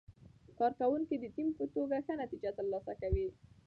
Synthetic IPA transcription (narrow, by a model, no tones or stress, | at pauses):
kɑɾkawuŋkid̪ət̪impət̪oɡaxənat̪id͡ʒat̪əɾlɑsakawi